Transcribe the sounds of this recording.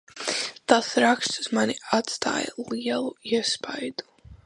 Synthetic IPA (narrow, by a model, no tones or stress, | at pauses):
t̪asɾakst̪suz̥manʲiat̪st̪a̰ːjəlˠiɛlˠuiɛspajd̪u̥